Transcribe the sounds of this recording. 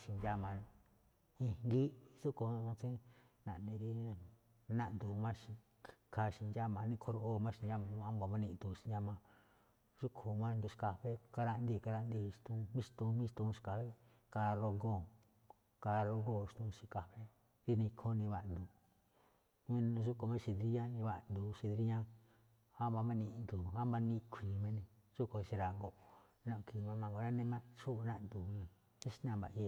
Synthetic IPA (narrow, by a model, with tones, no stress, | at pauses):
ʃi˧nd͡ʒa˦mã˨˧ | ĩ˧ŋɡi˦su˦kõ˧t͡sĩ˦ | nã̰˨ʔnĩ˧ɾi˦˧ | nã˦˧ʔnd̪u˨mã˦ʃĩ˧ | kʰa˧ʃi˧nd͡ʒa˦mã˧nĩ˧kʰo˧ɾo˧ʔo˦˧mã˦˧ʃi˧a˧mã˧mã˧˦ɡa˧mã˧nĩ˧˨nd̪u˧ʃi˧d͡ʒã˧mã˧ | ʐu˦kʰu˨mã˦˧nd̪u˧ʃka˧ɸe˦ka˧ɾa˧nd̪i˦˧˨ka˧ɾa˧ʔnd̪i˧ʃt̪ũ˧mĩ˦ʃt̪ũ˧mĩ˦˧t̪ũ˧ʃka˧ɸe˦ | ka˧ɾo˧ŋɡo˦˨ | ka˧ɾo˧ɡõ˦˨˧t̪ũ˧si˧ka˧ɸe˦ | ɾi˦˧nĩ˧kʰo˦nĩ˧βa˧ʔnd̪u˧ | mĩ˧ñ˧ʐu˦ko˧mã˦˧ʃi˧d̪ɾi˧˦jã˦nĩ˧βa˧ʔnd̪u˧ʃi˧ðɾi˦ɲã˦ | ha˦ma˧mã˧nĩ˧nd̪u˨ha˦mba˧nĩ˧kʷʰĩː˨mẽ˧nĩ˧ʒ̥u˦ko˧ʃi˧ɾa˨ŋɡo˧ | nã˧ʔki˧˨mã˧mã˧ŋɡo˨˧nã˦nẽ˧mã˦˧ʂu˦˧nã˦ʔnd̪u˨nĩ˧ | ĩ˦ʃi˧˦nã˧˨mba̰˨i˧e˧